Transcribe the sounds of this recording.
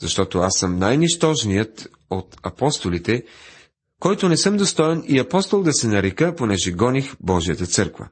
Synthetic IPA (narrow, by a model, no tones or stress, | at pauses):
zɐʃt̪ɔt̪oasːəmnajniʃt̪ɔʒnijət̪ | ot̪ɐpɔst̪olit̪ɛ | kɔjt̪onɛsɤmd̪ost̪ɔɛniɐpɔst̪olˠd̪ɐsɛnɐɾɛkəponɛʒɛɡɔnixbɔʒijət̪ət̪sɤɾkvə̰